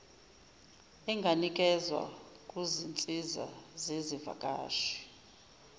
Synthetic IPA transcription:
ɛŋɡʱanikʼɛzwa̰kʼuzint͡sʼiza̰zeziva̰kʼa̰ːʃi̥

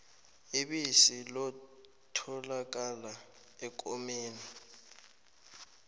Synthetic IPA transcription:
iɓisilɔ | tʰɔlak̬ʼala | ɛk̬ʼɔmeːni

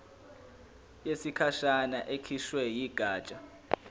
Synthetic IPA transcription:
jesikʰaʃanaʔekʰiʃwɛjiɡ̥ʱaːt͡ʃʼa

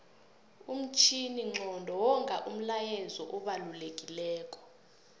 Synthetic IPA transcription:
um̩t͡ʃʼʰiniŋ͡ǁʱɔndʱɔwɔŋʱʼaʔum̩lajɛzɔʔɔɓalulekʼilɛːkʼɔ̥

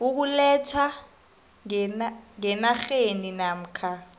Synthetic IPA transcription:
uk̬ulɛt͡sʰwa | naŋɛnaxeninam̩kʰa

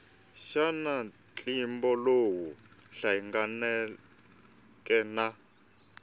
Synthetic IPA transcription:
ʃana | t͡ɬʼimbɔlowuɬaiŋɡanɛ | kʼɛna

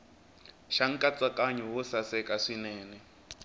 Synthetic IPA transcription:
ʃaŋ̩kʼat͡sʼakʼaɲɔwʊsasɛkʼaʂinɛːnɛ

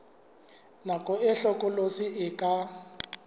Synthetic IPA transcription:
nakʼɔɛɬɔkʼɔlosiɪkʼa

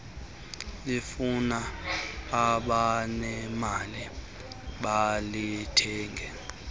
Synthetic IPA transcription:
lifunaː | ɓanɛmali | ɓalitʰɛːŋɡʱɛ

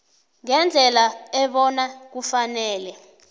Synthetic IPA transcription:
ŋɛnd͡ɮʱɛlaɛɓɔnak̬ufanɛːlɛ

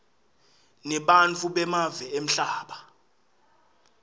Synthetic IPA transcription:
nɛɓant͡fʰuɓɛmavɛem̩ɬaːɓa

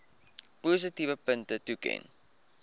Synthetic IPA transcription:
pos̬ətivəpəntətukɛ̰n

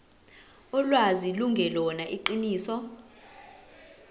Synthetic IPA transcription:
ɔlwaziluŋɡʱɛlɔnaʔiǃiniːsɔ

